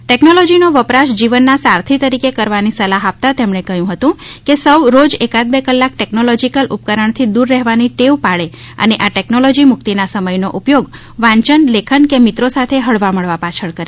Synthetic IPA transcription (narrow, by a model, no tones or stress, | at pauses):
ʈeknolɔd͡ʒinoʋəpɾaʃd͡ʒiʋənːasaɾt̪ʰit̪əɾikekəɾʋanisəlaɦap̚t̪at̪emɳekəjũɦət̪ũkesəwɾod͡ʒekat̪̚bekəlːak̚ʈeknolɔd͡ʒikəlʔup̚kəɾəɳt̪ʰid̪uɾːɛɦʋaniʈeʋpaɭe | ə̰neʔaʈɛknolɔd͡ʒimʊkt̪inasəməjnoʔupjoɡ | ʋãɲt͡ʃənlekʰənkemit̪ɾosat̪ʰeɦəɭʋaməɭʋapat͡ʃʰəɭkəɾe